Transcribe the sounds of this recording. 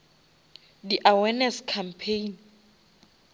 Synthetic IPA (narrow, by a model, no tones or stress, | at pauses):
diʔawɛnɛskʰampʰejn